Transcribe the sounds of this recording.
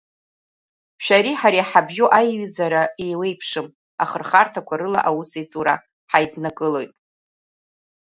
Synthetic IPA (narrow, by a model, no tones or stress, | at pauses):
ʃᶣaɾiħaɾiaħabʒuʔajɥizaɾaejwe̞jpʰʂɨm | aχərχartʰakʷʰaɾɨla̰ʔawusejt͡sʼuɾa̰ | ħajdnaɡʼɨlo̞jtʼ